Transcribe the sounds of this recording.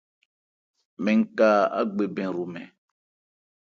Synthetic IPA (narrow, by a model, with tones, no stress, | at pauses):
mɛ̃˨ŋ̩˦ka˦a̰˦ɡ͡be˨bɛ̃˨ɾu˨mɛ̰̃˨